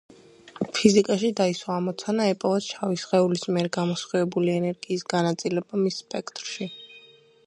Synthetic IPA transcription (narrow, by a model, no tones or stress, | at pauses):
pʰizikʼaʃid̪aiswaːmɔt̪sʰanaɛpʼɔvasʃʰavisʁɛulismiɛɾɡamɔsχwivɛbuliɛnɛɾɡiːsɡanat̪sʼilɛbamisːpʼɛkʰt̪ʼɾʃi